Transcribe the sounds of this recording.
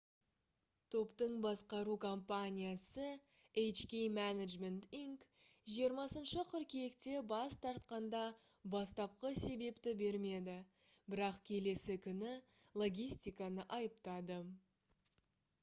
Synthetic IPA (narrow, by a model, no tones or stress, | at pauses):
t̪ʰo̞pt̪əɴbɑsqɑɾukʰompanʲijasə | ejt͡ʃkʲejmænaʒme̞nt̪iŋk | ʒijəɾmɑsənʃəqʰʏɾkʲejekt̪e̞bɑst̪ʰɑɾt̪qɑnd̪ɑ | bɑst̪ɑp̚qəse̞be̞pt̪ɪbe̞ɾme̞d̪ɪ | bɪɾɑqkʲʰe̞le̞sɪkʲʰʏnɪ | lˠo̞ɡʲijst̪ijkɑnəʔɑjəpt̪ɑd̪ə